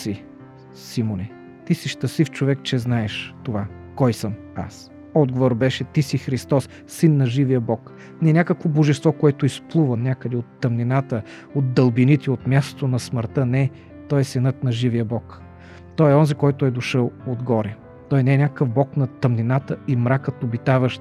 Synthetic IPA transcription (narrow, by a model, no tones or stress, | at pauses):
si | simoni | t̪isiʃt̪ɐsift͡ʃovɛk̚t͡ʃɛznaɛʃt̪ova | kɔjsəm | a̰s | ɔd̪ɡovoɾbɛʃɛt̪isixɾist̪ɔsːinːɐʒivijəbɔk | nɛnʲakəkvoboʒɛst̪vɔkoɛt̪ʊisplˠuvənʲakəd̪ɛot̪ːɐmninat̪ə | ot̪̚d̪ɐlˠbinit̪ʲiot̪mʲjast̪o̥t̪onɐsməɾt̪ənɛ | t̪ɔjɛsɛnɤt̪nɐʒivijəbɔk | t̪ɔjɛɔnzikɔjt̪ʊɛjd̪oʃəlˠod̪ɡɔɾɛ | t̪ɔjnɛɛnʲakəkəvbɔknɐt̪ɐmninat̪əimɾakət̪obit̪avəʃ